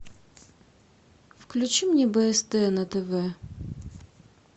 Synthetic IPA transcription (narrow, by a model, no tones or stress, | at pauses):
fklʲʉt͡ɕimnʲɛbɛɛst̪ɛnɐt̪ɛvɛ